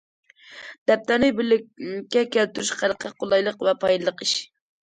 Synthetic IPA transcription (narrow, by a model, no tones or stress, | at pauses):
d̪̥ɛp̚t̪æɾnɪbɪlɪkʲːɛkʲɛlt̪yɾyʃqælˠəqʰɑqʰolˠɑjlˠəqvɛpʰɑjlˠɨlˠəqiʃ